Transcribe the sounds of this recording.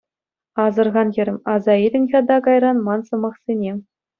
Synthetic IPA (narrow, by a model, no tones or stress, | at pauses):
ɑzɤ̆rʁɑnjʲɘ̆ɾʲɘmɑzɑidʲɘ̆nʲxʲɑd̪ɑkɑjrɑnmɑnsɤ̆mɑχsʲenʲe